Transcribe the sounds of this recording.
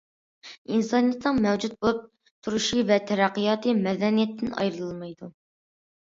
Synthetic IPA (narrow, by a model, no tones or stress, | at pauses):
insɑnjɛt̪nəŋmɛwd͡ʒut̪̚bolˠup̚ | t̪ʰuɾuʃivɛt̪ʰɛɾæqːijɑːt̪ʰɨmɛd̪ɛnijɛt̪ʰːɪnɑ̰jɾɨlˠɨlˠmɨjd̪u